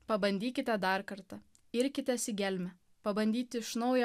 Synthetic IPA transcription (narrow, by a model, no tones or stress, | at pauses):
pɐbɐnʲd̪ʲiːkʲɪt̪ʲɛd̪ɑɾkɐɾt̪ɐ | ɪɾʲkʲɪt̪ʲɛsʲɪɡʲɛlʲmʲɛ | pɐbɐnʲd̪ʲiːt̪ʲɪɪʃnɒʊjɛ